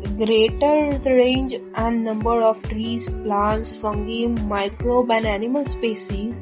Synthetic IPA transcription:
ɡɾeːʈəɾɾẽːɲd͡ʒɛ̃ɳɖnə̃mbəɾɔːfʈɾiːsplãɳʈsfə̃ŋɡĩŋmaɪkɾoːbɛ̃ɳɖæniməlspeːsiz

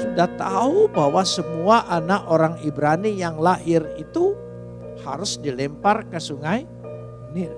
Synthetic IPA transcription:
sudaht̪aubawasəmuaʔanaʔoɾaŋibɾanijaŋlahɪrit̪u | ha̰ɾʊsdilɛmparkəsuŋaj | ni

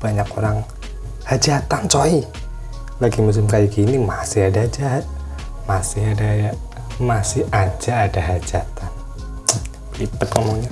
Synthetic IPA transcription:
b̥aɲako̰ɾaŋ | had͡ʒat̪ant͡ʃoi | laɡimasɪmkajaɡinimasɪhadaːd͡ʒa | masɪɦadaja | masɪhʔad͡ʒaːdaɦad͡ʒat̪an | lipət̪̚ŋomoŋɲa

